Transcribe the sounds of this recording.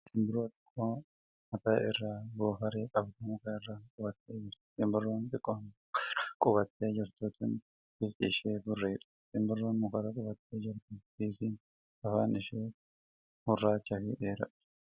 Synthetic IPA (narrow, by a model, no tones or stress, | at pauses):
t̪ɪmbɪɾoːt̪ʼɪ̥kʼːoː | mɐt̪aːɪrːaːboːɦɐɾeːkʼɐbd̪ɐmʊkaːɪrːaːkʼʊbɐt̪ːeːd͡ʒɪɾtɪmbʊrːoːnt̪ʼɪkʼːon | kʼʊbɐt̪ːeːd͡ʒɪɾt̪ʊːt̪ɪn | bɪst̪ʼiʃeːbʊrːeːᶑɐ̥ | t̪ɪmbʊrːoːnmʊkɐɾakʼʊbɐt̪ːeːd͡ʒɪɾt̪ʊsiːsɪn | ɐfaːnɪʃeː | hʊrːaːt͡ʃːɐfiːʔeːɾɐ̰ᶑɐ̥